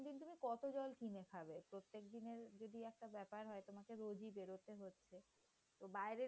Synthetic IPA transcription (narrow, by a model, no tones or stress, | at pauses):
d̪int̪umikɔt̪od͡ʑɔlkinekʰabepɾot̪ːek̚d̪ineɾd͡ʑod̪iɛk̚ʈabɛpaɾɦɔet̪omakeɾod͡ʑibeɾot̪eɦotːɕʰe | t̪obaeɾe